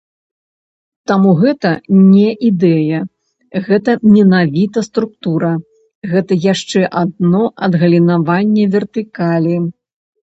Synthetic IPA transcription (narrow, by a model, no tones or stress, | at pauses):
t̪amuɣɛt̪ɐnʲɛʔid̪ɛjɐ | ɣɛt̪ɐmʲɛnavʲit̪ɐst̪ɾuk̚t̪uɾɐ | ɣɛt̪ɐjaʂt͡ʂɛʔad̪̚nɔʔɐd̪ɣɐlʲinavanʲːɛvʲɛrt̪ɨkalʲi